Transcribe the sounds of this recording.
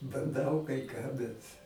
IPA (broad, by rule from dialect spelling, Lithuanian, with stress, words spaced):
bɐnˈdɐʊ kɐɪ kɑː ˈbʲɛt